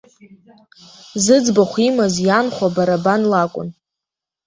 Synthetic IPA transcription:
zɨd͡zbaχʷimazjanχʷabaɾabanlakʷʼʊ̰n

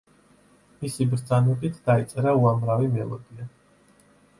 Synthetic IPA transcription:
misibɾd̪zanɛbit̪ʰd̪̥ait̪sʼɛɾauamɾavimɛlˠɔ̰d̪ia

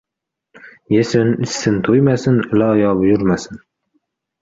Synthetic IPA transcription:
jesɪnɪsːɪnt̪ʰojmasɪnlajɒbjʊɾmasɪn

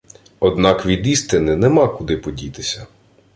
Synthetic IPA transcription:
ɔd̪nɑkʋʲid̪ist̪ɪnɪnɛmɑkʊd̪ɪpɔdʲit̪ɪ̥sʲɐ

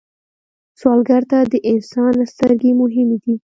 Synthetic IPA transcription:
swɑlɡaɾt̪ad̪əʔɪnsɑnast̪əɾɡemʊɦɪmed̪i

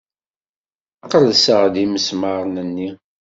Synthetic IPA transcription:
ɑqəɾsəʁðiməsməɾˤnənːi

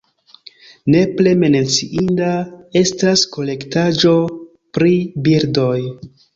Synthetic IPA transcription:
ne̞ple̞menet͡siʔindae̞stasko̞le̞ktad͡ʒo̞ | pɾibiɾdo̞j

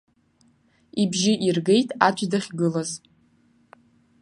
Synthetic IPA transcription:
ibʒɪʔirɡe̞jtʼat͡ʃʷʰʼdaχʲɡɨlaz

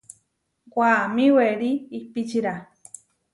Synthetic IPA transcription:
kʷamĩweɾiːpit͡ʃiɾa

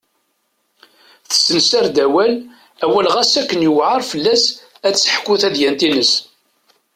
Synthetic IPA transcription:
θə̥sənsæɾd̪æwæl | æwælʁæsækːənjəwʕəɾˤfəlːæs | æə̥ħkːʊθæðjænt̪inəs

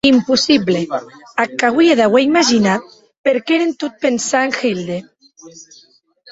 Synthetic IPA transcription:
impusiβleakaɣwieðaweimaʒinat̪̚ | peɾkeɾent̪ut̪̚pensaeŋxild̪e

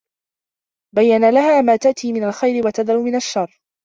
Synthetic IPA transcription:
bajːanalaɦaːmaːt̪aʔt̪iːmɪnalxajɾɪwat̪ad̪aluːmɪnaʃːɑrˤː

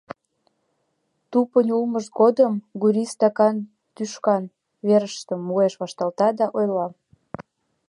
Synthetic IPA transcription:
t̪upənʲulməʃɡod̪əmɡuɾʲist̪ɑkɑn | t̪yʃkɑn | βeɾəʃt̪əmːueʃβɑʃt̪ɑlt̪ɑd̪ɑʔojlɑ

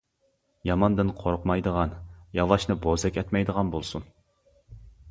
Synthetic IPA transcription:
jɑmɑnd̪ɨnqʰoɾʊqmɑjd̪əʁɑnjɑlˠɑʃnɨbozɛkʲɛt̪mɛjd̪əʁɑnbolˠsun

